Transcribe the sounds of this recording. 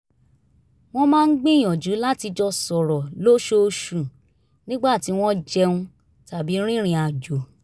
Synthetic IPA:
w̃ɔ̃˦mãː˦˧n̩˦ɡ͡bĩ˦˨j̃ɔ̃˨d͡ʒu˨˦la˦ti˧d͡ʒɔ˧sɔ˨ɾɔ˨lo˦ʃo˧ʃu˨ | nĩ˦ɡ͡ba˦˨ti˨˦w̃ɔ̃˦d͡ʒɛ˧ũ˧ | ta˨bi˨˦ɾ̃ĩ˦ɾ̃ĩ˧a˨d͡ʒo˨

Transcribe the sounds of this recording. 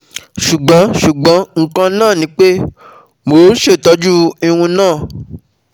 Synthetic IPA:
ʃu˨ɡ͡bɔ̃˨˦ʃu˨ɡ͡bɔ̃˨˦ŋ̩˦kã˧nãː˦˨nĩ˨˦k͡pe˦ | mo˨˦ʃe˦˨tɔ˧˦d͡ʒu˦i˧wũ˧nãː˦˨

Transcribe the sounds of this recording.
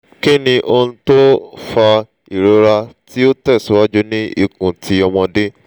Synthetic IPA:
ke˦˨nĩ˧ʔo˧ñ̩˧to˦fa˧ | i˨ɾo˨˦ɾa˧ti˦o˦tɛ˦˨su˨˦wa˦d͡ʒu˦nĩ˦ḭ˦˨kũ˨ti˨˦ɔ˧w̃ɔ̃˧de˦

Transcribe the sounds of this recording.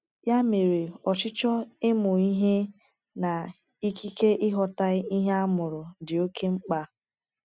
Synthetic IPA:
ja˦me˨ɾe˨ɔ˨t͡ʃɪ˦t͡ʃɔ˦ɪ˦mʊ˨i˦ɦe˦ | na˨ | i˦ki˦ke˦ʔɪ˦ɦɔ˨ta˦ɪ˦i˦ɦe˦a˦mʊ˨ɾʊ˨dɪ˨o˦ke˦ŋ͡m̩˦k͡pa˦

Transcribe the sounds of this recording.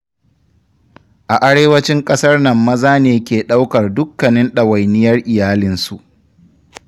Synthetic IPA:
ʔa˨ʔa˦ɽeː˦wɐ˦t͡ʃɪ˦ŋkʼɐ˦sɐ˦rnɐ˨mːɐ˦zaː˦neː˨kʲeː˨ɗa˦wkɐ˨rdʊ˦kːɐ˨nɪ˦nɗa˨wa˨jnɪ˦jɐ˦rʔɪ˨jaː˦lɪ˦nsu˨ʔ

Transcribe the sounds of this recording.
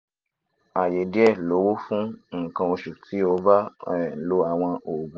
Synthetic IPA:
a˨je˨di˦ɛ˦˨lo˨˦wo˦fũ˦ŋ̩˦˨kã˧o˧ʃu˨ti˨˦o˧ba˦˨lo˧˦a˨w̃ɔ̃˧o˨ɡũ˨˦

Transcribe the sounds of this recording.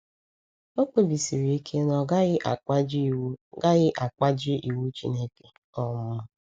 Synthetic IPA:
o˦k͡pe˨bi˨si˨ɾi˨i˦kʰe˦nɔ˨ɡa˦ɪ˦ʔa˨˦d͡ʒɡa˦ɣɪ˦ʔa˨k͡pa˦d͡ʒɪ˦ʔi˨wu˦t͡ʃḭ˦ne˦ke˨ | ɔ˦m˦ʊ˦

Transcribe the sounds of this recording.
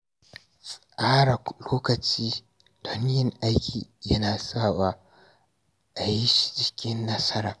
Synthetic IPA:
sʼʔaː˦ɽa˨loː˦kɐ˨t͡ʃiː˦ | do˦nɪ˦jɐ˨ŋʔa˦jkʲʰiː˨jɐ˦naː˨saː˦˨waː˦ | ʔa˨ji˦ʃi̥˨d͡ʒɪ˨kʲɪ˦nːɐ˦sɐ˦ɾaː˨

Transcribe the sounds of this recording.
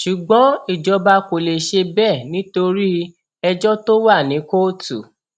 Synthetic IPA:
ʃu˨ɡ͡bɔ̃˨˦i˦˨d͡ʒɔ˧ba˧ko˨le˨ʃe˧bɛ˦˨nĩ˨˦to˧ɾi˦ | ɛ˧d͡ʒɔ˦to˦wa˦˨nĩ˨˦ko˦tu˨

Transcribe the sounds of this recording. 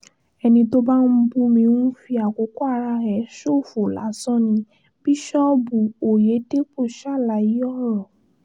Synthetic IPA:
ɛ˧nĩ˧to˦ba˦n̩˦bu˦mĩ˧nũ˦fi˧a˨ko˨˦kɔ˦a˧ɾa˧ɾɛ˨˦ʃo˦˨fo˨la̰˨˦sɔ̃˦˨nĩ˧ | b̥i˦ʃɔ˦bu˨o˨je˨˦te˦k͡po˦˨ʃa˦˨la˧˨ji˨˦ɔ˦˨ɾɔ˨

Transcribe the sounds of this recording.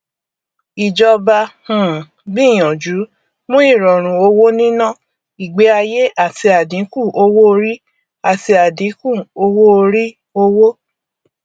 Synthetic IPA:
i˨d͡ʒɔ˧ba˧hũ˨ | bĩ˦˨j̃ɔ̃˨d͡ʒu˨˦ | mũ˦i˦˨ɾɔ˨ɾ̃ũ˨o˧wo˦nĩ˦nã˦˨ | i˨ɡ͡be˨˦a˧je˦ʔa˦˨ti˧a˨dĩ˨˦kũ˦˨ʔo˧wo˦o˧ɾi˦ | a˨ti˧a˨dĩ˨˦kũ˦˨o˧wo˦o˧ɾi˦ | o˧wo˦

